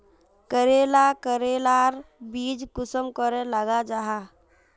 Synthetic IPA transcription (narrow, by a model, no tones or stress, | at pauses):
kəɾeːlakəɾeːlaːɾbiːd͡ʒkʊsəmkəɾẽləɡad͡ʒaɦa